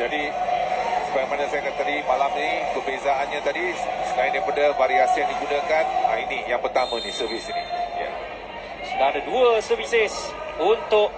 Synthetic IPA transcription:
d͡ʒadi | səbajaŋmanasajakat̪at̪adimalaminipəbezaanɲãt̪adisə̥kaandaipadavaɾiasijaŋdiɡunakana̰inijaŋpərt̪amãinisəvisinija̰ | sudahadaduəsəvisɪs | unt̪ʊʔ̚

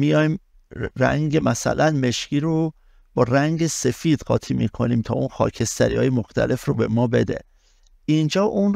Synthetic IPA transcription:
mijɒːjm | ræ̰ŋɡemæsæ̰lʔænme̞ʃcʰiːɾo | b̥ɒːræŋɟese̞fiːd̪ɢɒ̰ːt̪ʰiːmiːkʰo̞niːmt̪ʰɒːʔunxɒ̰ːcʰest̪ʰæ̰ɾḭːhɒːjemoxt̪ʰæ̰le̞frobe̞mɒːbe̞d̪ḛ | ind͡ʒɒːʔun

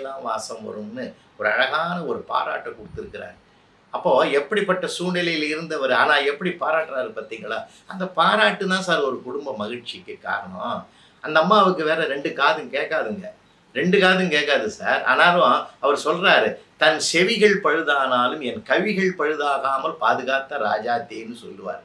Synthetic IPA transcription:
lːãːʋa̰ːsɐmʋɐ̰ɾɯnɯ | ɔɾɯɐ̰ɻɐɣaːnɐɔɾɯpa̰ːɾa̰ːʈːɐkʊɽɯt̪ːɪɾɯkːɪɾa̰ːɾ | ɐpːoːɛpːɐɽipːɐʈːɐsuːɳːɪlɐjɪlɪɾɯnd̪ɐʋɐɾɯa̰ːnaːɛpːɐɽipaːɾaːʈːɾaːɾɯpɐːɾt̪iːŋɡɐɭaː | ɐnd̪ɐpaːɾaːʈːɯt̪ãːsaːɾɔɾɯkʊɽʊmbɐmɐɣɪɻt͡ʃɪkːɯkːa̰ːɾɐɳõ̰ | ɐnd̪ɐɐmːaːɐʋɐkːɯʋeːɾɐɾɛɳɖɯkaːðɯmkeːkːaːðɯŋɡɐ | ɾɛɳɖɯkaːðɯmkeːkːaːðɯsa̰ːɾa̰ːnaːɾõɐʋɐɾsɔlraːɾɯt̪ɐnsɛʋɪɣɐɭpɐɻɯðaːnaːlɯmɛnkɐʋɪɣɐɭpɐɻɯðaːɣaːmɐlpaːðɯɣaːt̪ːɐɾa̰ːd͡ʒaːt̪ːinːɯsɔ̰lːɯʋa̰ːɾ

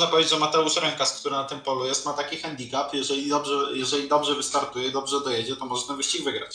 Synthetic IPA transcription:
napɔvʲejd͡ʑʲːd͡ʑʲʐɛmat̪ɛuʂɾɛŋkaskt̪uɾanat̪ɘmpɔlujɛst̪mat̪akʲixɛnd̪ʲikapjɛʐɛlʲid̪ɔbʐɛjɛʐɛlʲid̪ɔbʐɛvɘst̪aɾt̪ujɛd̪ɔbʐɛd̪ɔjɛd͡ʑɛt̪ɔmɔʐɛt̪avɘɕt͡ɕiɡvɘɡɾat͡ɕ

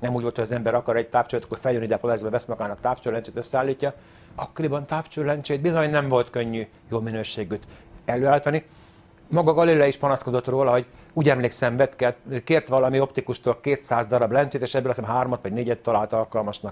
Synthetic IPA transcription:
nɛmuːɟʋo̞lt̪hoɒzɛmbɛɾɒkɒɾɛɟ̚t̪aːft͡ʃojt̪ɒ̥kːorfɛljønːid̪ɛpod̪ɛɾizbɒbɛsmɒɡaːnɒkt̪aːft͡ʃølɛnt͡ʃeːt̪øsːɛaːlːiːcːɒ | ɒkːoɾibɒnt̪aːft͡ʃøːlɛnt͡ʃeːt̪bizo̞ɲnɛɱvo̞lt̪køɲːy | joːminøːʃeːɡyt̪ɛløːaːlt̪ɒni | mɒɡɒɡɒlilːɛiʃpɒnɒsko̞d̪o̞t̪roːlɒɦo̞ɟ | uːɟɛmleːksɛmvɛt̪kɛlt̪keːrt̪ʋɒlɒmio̞pt̪ikuʃt̪oːlkeːt̪saːzd̪ɒɾɒblɛnt͡ʃ̪eːt̪eːʃɛbːølsɛmɦaːromɒt̪ʋɒɟneːɟɛt̪ːɒlaːlt̪ɒlkɒlmɒʃnɒk

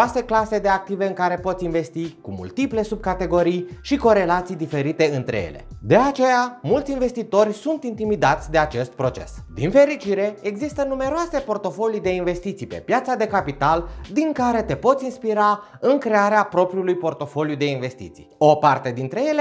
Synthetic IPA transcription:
ase̞klase̞d̪eak̚t̪ive̞ɨŋkaɾe̞po̞t̪sʲinve̞st̪ikumṵlt̪iple̞sub̚kat̪e̞ɡo̞ɾijʃiko̞ɾe̞lat̪sijd̪ife̞ɾit̪e̞ɨnt̪ɾe̞̰jḛle̞̰d̪e̞at͡ʃe̞jamult̪sʲinve̞st̪it̪o̞rʲsunt̪int̪imid̪at̪sʲd̪e̞at͡ʃe̞st̪̚pɾo̞t͡ʃe̞̰sd̪infe̞ɾit͡ʃiɾe̞eɡzist̪ənume̞ɾoase̞po̞rt̪o̞fo̞lijd̪e̞inve̞st̪it̪sijpe̞pjat̪sad̪e̞kapit̪ald̪iŋkaɾe̞t̪e̞po̞t̪sʲinspiɾa | ɨŋkɾe̞aɾeapɾo̞pɾiulujpo̞rt̪o̞fo̞ljud̪e̞inve̞st̪ḭt̪sḭjo̞part̪e̞d̪int̪ɾe̞je̞le

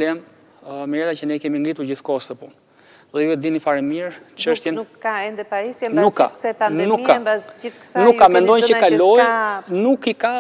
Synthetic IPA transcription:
lɛm | mɛɾɛt̪acənɛkɛmiŋɡɾit̪uɾd͡ʑiθkɔst̪əpun | ðɛjuɛd̪inifaɾɛmiɾt͡ʃəʃt̪jɛnaɛnd̪ɛpaisnukːanukːa | nukkːamɛnd̪ɔjnt͡ʃəkalɔjnukika

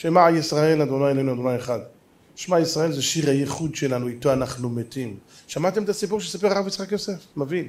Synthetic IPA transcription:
ʃemajisʁae̞lad̪onajelenuad̪o̞najeχad̪ | ʃmajisʁae̞lzeʃiʁhajeχud̪ʃelanuit̪oanaχnumet̪imʃamat̪emet̪asipuʁʃ̬esapeaʁavit͡sχakjo̞se̞fmavin

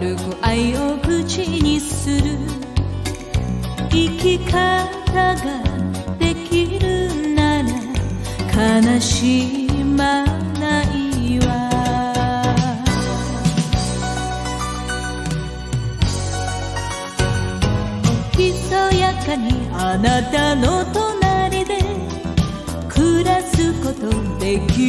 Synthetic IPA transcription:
ɾɯkoʔajokɯt͡ʃiɲisɯɾɯ | ikikʰa | ɾaɡad̪e̞kʰiɾɯnaɾa | kʰanaɕima | naiwa | hisojakːaɲ̟ianat̪anot̪onaɾʲid̪e̞ | kʰɯɾasɨko̞t̪od̪e̞kʲi

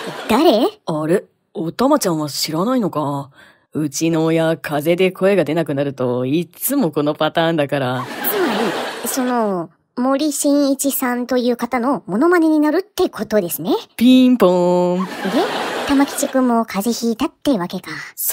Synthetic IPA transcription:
d̪̥aɾe̞aɾe̞ | ot̪amat͡ɕãɰ̃βaɕiɾanaino̞ka | ɯ̟t͡ɕino̞jakʰaze̞d̪e̞ko̞e̞ɡad̪e̞nakɯ̟naɾɯ̟t̪o̞it͡sɨmo̞ko̞no̞pat̪aːnd̪akaɾat͡sɨmaɾʲiso̞no̞ | mo̞ɾʲiɕĩɰ̃it͡ɕisãnt̪o̞jɯ̟ːkat̪ano̞mo̞no̞mane̞ɲ̟inaɾɯ̟t̪ːe̞kʰo̞t̪o̞d̪e̞sɨne̞pʲimpõd̪e̞t̪amakʲi̥t͡ɕɨkɯ̟mo̞kʰaziçiːt̪at̪ːe̞βake̞ka

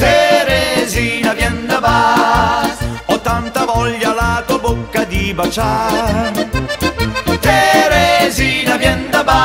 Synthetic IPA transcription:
t̪eɾeziːnavjɛnd̪abasɔt̪ːant̪avɔʎːalakɔbokːad̪ibat͡ʃa | t̪eɾeziːnavjɛnd̪aba

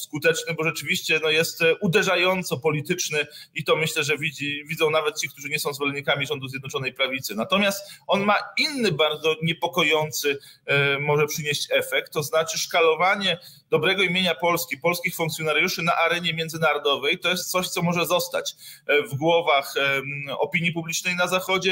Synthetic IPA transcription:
skut̪ɛt͡ʂnɘbɔʐɛt͡ʂɘvʲiɕt͡ɕɛnɔjɛst̪ud̪ɛʐajɔnt̪sɔpɔlʲit̪ɘt͡ʂnɘit̪ɔmɘɕlɛʐɛvʲid͡ʑivʲid̪zɔ̃w̃navɛt̪̚t͡ɕikt̪uʐɘɲɛsɔ̃w̃zvɔlɛnɲːikamʲiʐɔnd̪uvzʲjɛd̪nɔt͡ʂɔnɛjpɾavʲit̪sɘnat̪ɔmʲjast̪ɔnmainːɘbaɾd̪zɔɲɛpɔkɔjɔnt̪sɘmɔʐɛpʂɘɲeɕt͡ɕɛfɛk̚t̪ːɔznat͡ʂɘʂkalɔvaɲɛd̪̥ɔbɾɛɡɔimʲjeɲapɔlskʲipɔlskʲixfuŋkt̪sʲjɔnaɾjuʂɘnaʔaɾɛɲɛmʲjɛnd̪zɘnaɾɔd̪ɔvɛjt̪ɔjɛst̪t̪sɔɕt̪sɔmɔʐɛzɔst̪a̰t͡ɕvɡwɔvaxɔ̰pʲiɲjipublʲit͡ʂnɛjnazaxɔd͡ʑɛ

